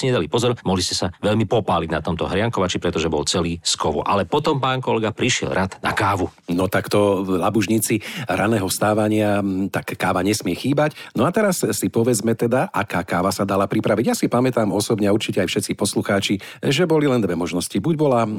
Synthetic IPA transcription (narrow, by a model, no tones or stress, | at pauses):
iɲɛd̪alipɔzɔɾmɔɦliscɛsaʋɛʎmipɔpaːliɟnat̪ɔmt̪ɔ̰ɦɾɪaŋkɔʋat͡ʃipɾɛt̪ɔʒɛbɔ̰lt͡sɛliːskɔʋɔ̰ʔa̰lɛpɔt̪ɔmpaːŋkɔlɛɡapɾiʃɪɛ̰lɾʔat̪na̰kaːʋunɔt̪akt̪ɔlabuʒɲiːt͡siɾʔanɛːɦɔfst̪aːʋaɲɪat̪akːaːʋaɲɛsmɪɛxiːbacnɔat̪ɛɾasːipɔʋɛd͡zmɛt̪ɛd̪aʔakaːkaːʋasad̪alapɾipɾaʋiɟjaːsipamɛt̪aːmɔsɔbɲɛauɾt͡ʃicɛajfʃɛt̪t͡sipɔsluxaːt͡ʃi | ʒɛbɔlilɛnd̪ʋɛmɔʒnɔscibuɟbɔla